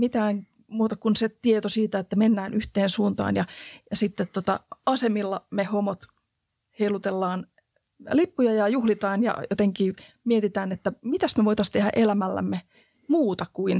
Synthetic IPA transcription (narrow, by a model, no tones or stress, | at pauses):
mit̪æːŋ | muːt̪ɑkunset̪iet̪osiːt̪æet̪ːæmenːæːnyht̪eːnsuːnt̪ɑ̰ːnjɑjɑsit̪ːet̪t̪ot̪ɑ̰ɑsemilːɑmehomot̪ | heilut̪elːɑːn | lipːujɑjɑjuhlit̪ɑːnjɑ̰jo̰t̪eŋkiː | miet̪it̪æːnet̪ːæmit̪æsmeʋoit̪ɑst̪ehæ̰ʔelæmælːæ̰mːe | muːt̪ɑkuin